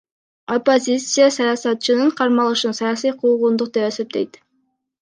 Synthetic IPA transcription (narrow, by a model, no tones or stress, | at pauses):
o̞po̞zʲit̪sɨjasɑjɑsɑt̪̚t͡ʃɯnɯɴqʰɑɾmɑlˠɯʃɯnsɑjɑsijqʰuʁund̪uq̚d̪e̞pese̞p̚t̪e̞̰jt̪